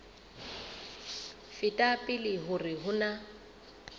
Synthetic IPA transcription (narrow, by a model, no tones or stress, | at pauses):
fɪtʼapʼɪlɪɦʊrɪɦʊna